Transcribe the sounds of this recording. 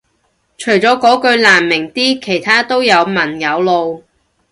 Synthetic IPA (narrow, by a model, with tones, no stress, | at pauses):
t͡ʃʰɵ˨˩ɥt͡sɔː˨˥kɔː˨˥kɵ˧ɥlaː˨˩mːɪ˨˩ŋt̪iː˥kʰe˨˩jt̪ʰaː˥t̪o˥wjɐ˨˧wmɐ˨˩njɐ˨˧wlo˧w